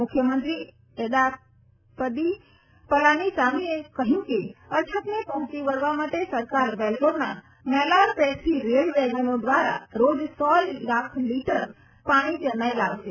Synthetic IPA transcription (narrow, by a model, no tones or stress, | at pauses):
mʊkʰjəmənt̪ɾi | eɗ̪a | pəd̪i | pəlanisamiekəɦjũkeət͡ʃʰət̪nepəɦʊ̃t͡ʃiʋəɾʋamaʈesəɾkaɾbɛlkoɾna | mɛlaɾpɛsʰiɾeɽʋɛɡənõd̪ʋaɾa̰ɾod͡ʒsɔllakʰliʈəɾ | paɽ̃id͡ʒənajlaʋʃe